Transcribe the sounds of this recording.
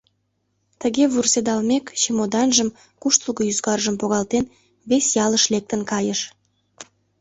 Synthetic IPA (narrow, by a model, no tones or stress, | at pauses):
t̪əɣeβursed̪ɑlmekʃemod̪ɑnʒəm | kuʃt̪ulˠɣəjyzkɑrʒəmpoɣɑlt̪en | βesjɑləʃlek̚t̪ənkɑjəʃ